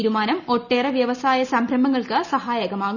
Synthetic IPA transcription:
iɾumaːnɐmo̞ʈːe̞ːreʋjɐʋɐsaːjɐsɐmbʱɾɐmbɐŋːɐɭkɨsɐɦaːjɐɣɐmaːɣu

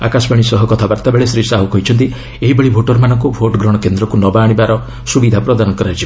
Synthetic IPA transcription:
a̰kasbaɽ̃isɔɦɔkɔt̪ʰabaɾt̪abeɭesɾisaɦukɔɦit͡ʃʰɔnt̪i | eɦibeɭibʱoʈɔɾmanɔ̃ŋkubʱoʈɡɾɔɽ̃ɔkend̪ɾɔkunɔbaːɽ̃ibaɾɔ | subid̪ʱapɾɔd̪aɾnɔkɔɾad͡ʒib

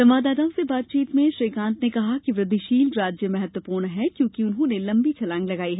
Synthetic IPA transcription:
sɐmaːd̪aːd̪aːõsebaːt̪̚t͡ʃiːt̪mẽʃɾiːkãːnt̪nekɐɦakiʋɾɐd̪iʃiːlɾaːd͡ʒjəmɛɦɛt̪wəpuːɾɳɦɛkjõːkiʊnɦõnelɐ̃mbit͡ʃʰɐlãːŋɡlɐɡaːiɦɛː

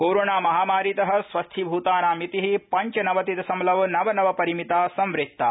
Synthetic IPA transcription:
koːɾoːnaːmɐɦaːmaːɾit̪ɐɦɐ̆sʋɐst̪ʰibʱuːt̪aːnaːmit̪iɦipɐɲt͡ʃɐnɐʋɐt̪it̪ɐsɐmlɐʋnɐʋɐnɐʋɐpɐɾimit̪aːsɐmʋɾɪk̚t̪ːaː

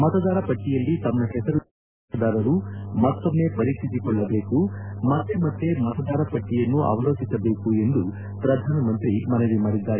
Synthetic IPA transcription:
mɐt̪ɐd̪aːɾɐpɐʈːijɐlːit̪ɐmːɐɦɛsɐɾu | ɐd̪aːɾɐɾumɐt̪ːomːe̞ːpɐɾikt̪ʰit̪ikɔɭːɐbe̞ːkumɐt̪ːe̞mɐt̪ːe̞mɐt̪ɐd̪aːɾɐpɐʈːijɐnːuʔɐ̰ʋɐlo̞ːt͡ʃisɐbe̞ːkue̞nd̪u | pɾɐd̪ʱaːnɐmɐnt̪ɾimɐneʋimaːɽid̪ːaːɾe

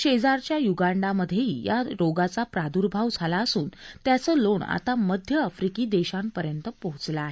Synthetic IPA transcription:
ɕed͡zaɾt͡ɕjajuɡaɳɖaməd̪ʱːjeijaɾoɡat͡sapɾad̪uɾbʱaʋd͡zʱalaəsuːnt̪jat͡səːloɳa̰t̪aməd̪ʱjəːfɾikiːd̪eɕampəɾjənt̪əpəɦut͡slaːɦe

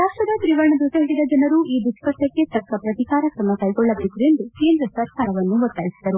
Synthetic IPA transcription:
saːʂɐd̪ɐt̪ɾiʋɐɾɐɳɐd̪ut̪eɦiɽid̪ɐd͡ʒɐnɐɾuʔiːd̪uskɐʂʈɐkːet̪ɐkːɐpɾɐt̪ikaːɾɐkɾɐmːɐkɐjɡɔɭːɐbet̪ue̞nd̪uke̞ːnd̪ɾɐsɐɾkaːɾɐʋɐnːuʋɔt̪ːaːjisid̪ɐɾu

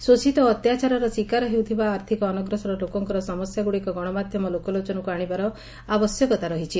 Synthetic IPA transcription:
susit̪ɔːt̪jat͡ʃaɾɔɾɔswikaɾɔɦewt̪ʰibaːɾt̪ʰikɔːnɔɡɾɔsɔɾɔlokɔŋkɔɾɔsɔmɔsjaɡuɽikɔɡɔɽ̃ɔmad̪ʱjɔmɔlokɔlot͡ʃɔnɔkuaɽ̃ibaɾɔ | abɔsjɔkɔt̪aɾɔɦit͡ʃʰi

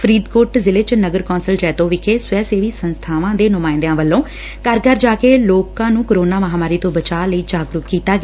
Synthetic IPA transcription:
pʰɾiːd̪koːʈzɪlet͡ʃnəɡəɾkɔːnsəld͡ʒɛːt̪õːʋɪkʰeːsʊɛːseːʋiːsənst̪ʰaːʋãːd̪eːnʊmaːɪ̃nd̪jãːʋəlːõː | kəɾkəɾd͡ʒaːkeːloːkãːnũːkəɾoːnaːməɦaːmaːɾiːt̪õːbət͡ʃaːləiːd͡ʒaːɡɾʊkkiːt̪aːɡɛː

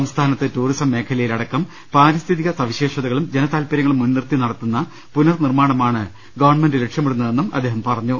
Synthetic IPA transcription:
ɐmst̪ʰaːnɐt̪ːɨtuːrisɐmːe̞ːkʰɐlɐjilɐɽɐkːɐm | paːɾist̪ʰiðiɣɐsɐʋiɕe̞ːʂɐðɐɣɐɭumd͡ʑe̞nɐt̪aːlpɐɾjɐŋːɐɭumːunːirt̪inɐɽɐt̪ːunːɐ | punɐrnirmaːɳɐmaːɳɨ | ɡɐʋɐrɳmendɨɾekʂjɐmeɽunːɐðe̞nːumɐd̪ːeːɦɐmpɐrɐɲːu

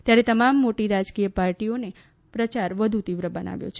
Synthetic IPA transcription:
t̪jaɾet̪əmamːoʈiɾad͡ʒkijəpaɾʈione | pɾət͡ʃaɾʋəd̪ʱut̪iʋɾəbəna̰ʋjo̰t͡ʃʰe

